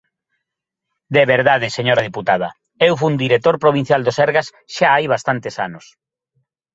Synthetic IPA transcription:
d̪eβeɾðaðɪseɲoɾɐðiput̪að̞ɐ | ewfund̪iɾet̪oɾpɾoβin̟θjald̪osɛɾɣas | ʃaajβast̪ant̪esa̰nʊs

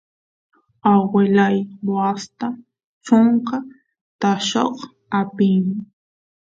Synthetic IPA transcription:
awelajwast̪a | t͡ʃoɴqɑ | t̪aʃo̰χ | apɪjmɪ

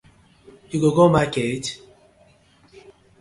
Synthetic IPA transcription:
juɡoɡomaket

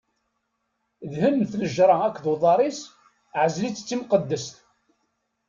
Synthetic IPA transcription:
ðhənmθləʒɾˤɑækʷːðwðˤɑɾˤis | ʕəzlit͡sːə̥t͡sːimqəd̪ːəst̪

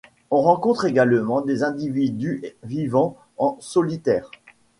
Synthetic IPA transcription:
ɔ̃ʁɑ̃kɔ̃t̪χeɡalmɑ̃d̪ezɛ̃d̪ivid̪yvivɑ̃ | ɑ̃sɔlit̪ɛːʁ

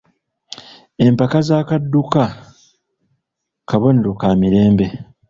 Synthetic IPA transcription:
e̞mpakazaːkadːuka | kaβoneɾukaːmiɾe̞ːmbe̞

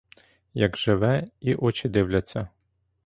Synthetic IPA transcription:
jɐɡʒɪʋɛiʔɔt͡ʃɪd̪ɪwlʲɐt͡sʲːɐ

